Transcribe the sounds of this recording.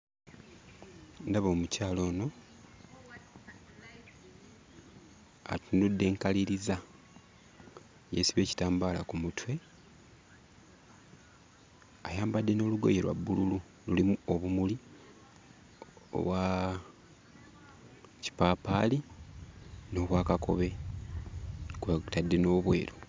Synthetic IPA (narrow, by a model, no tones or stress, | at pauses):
ndaβo̞ːmucaːlo̞ːno̞ | a̰tundudːe̞ːŋkaliɾiza | jḛsiβe̞ːci̥taːmbaːlakumutwe̞ | ajaːmbadːe̞no̞ːluɡo̞̰jeɾwa̰bːululu | lulimuoβumuli | o̰βwa | ci̥paːpaːli | no̞ːβwaːkako̞̰βe̞ | ktadːe̞no̞ːβwe̞ːɾo